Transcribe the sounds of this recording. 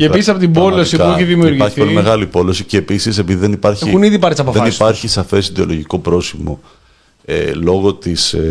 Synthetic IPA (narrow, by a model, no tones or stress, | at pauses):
eːisisɐpot̪ibbo̞lossiɐueçiðimiuɾʝiɐɾçiθpolime̞ɣɐlipo̞lo̞siceːpisis̬e̞piðiðenipɐɾçeixuniðipɐɾt̪sɐpofðeɐnispɐɾçisɐfe̞siðeo̞loʝiko̞pɾo̞simo̞ | ḛlo̞ɣo̞t̪is